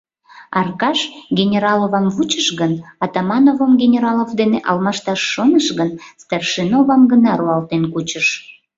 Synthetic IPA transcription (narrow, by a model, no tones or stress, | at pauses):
ɑrkɑʃɡʲenʲeɾɑlovɑmvut͡ɕəʃɣənɑt̪ɑmɑnovomɡenʲeɾɑlovd̪eneʔɑlmɑʃt̪ɑʃːonəʃɣənst̪ɑrʃinovɑmɡənɑɾuɑlt̪enkut͡ɕəʃ